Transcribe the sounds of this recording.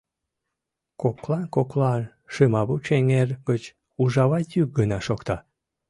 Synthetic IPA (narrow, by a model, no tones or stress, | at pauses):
koklɑkoklɑ | ʃɨmɑβut͡ɕeŋerɡət͡ɕ | uʒɑβɑt̪jyk̚ɡənɑʃokt̪ɑ